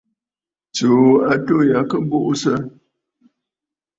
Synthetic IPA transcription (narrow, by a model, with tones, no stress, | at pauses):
t͡ʃo˨˦a˨to˦ja˨˦kə˦bo˦ʔsə˦